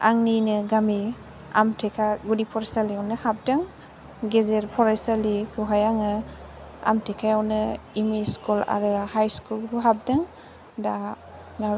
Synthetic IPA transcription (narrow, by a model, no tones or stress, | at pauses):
a̰ŋninɯɡami | a̰mtʰekʰaɡudipʰɔɾesaliawnɯhap̚daŋ | ɡezeɾpʰɔɾasalikʰɯɦajaŋɯ | a̰mtʰekʰajawnɯimiskula̰ɾɯhajskulbuɦap̚dɯŋ | da | na